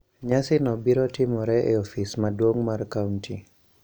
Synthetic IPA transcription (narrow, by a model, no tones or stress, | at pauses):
ɲasɪnɔbiɾɔtimɔɾɛʔeofismadwoŋmarkawnti